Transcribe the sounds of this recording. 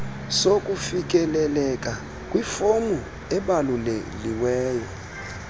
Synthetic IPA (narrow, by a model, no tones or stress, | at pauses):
sokʼufik̬ʼɛlɛlɛkʼa | kʼwifomu | ɛɓalulḛliwɛːjɔ